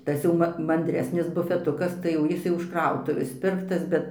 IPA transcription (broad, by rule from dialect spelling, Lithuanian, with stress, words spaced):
ˈtɐs jɛʊ mɐ mɐnʲdʲˈrʲæːsʲnʲɪs bʊfʲɛˈtʊkɐs tɐɪ jɛʊ ˈjɪs jɛʊ ɪʃ ˈkrɐʊtʊʋʲeːs ˈpʲɪrktɐs ˈbʲɛt